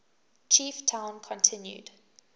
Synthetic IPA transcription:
t͡ʃʰiːˑftʰãʊ̃nkʰɔ̃ntʰɪ̃njṵd̥

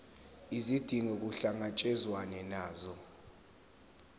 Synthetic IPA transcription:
izid̥ʱiŋɛk̬uɬaŋat͡ʃʼɛzwanɛnaːzɔ

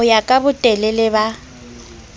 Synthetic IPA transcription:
ʊjakʼabʊtʼɛlɛlɪba

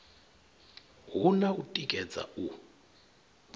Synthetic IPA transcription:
ɦunautʼikʼɛd͡zʼa̰u

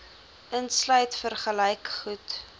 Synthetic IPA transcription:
ʔənslœɥtfərχələjkχut

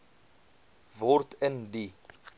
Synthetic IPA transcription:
vɔrtʰəndi

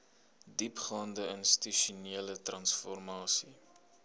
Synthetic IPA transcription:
dipχɑːndəənst̪iʃuniələtrɐnsfɔrmɑːsi

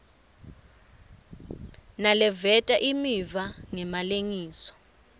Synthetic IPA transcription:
nalɛvɛtʼaʔimivaŋɛmaleŋiːsɔ̥

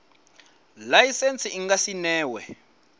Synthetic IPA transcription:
lajisent͡sʰiiŋɡasinɛːwɛ̰

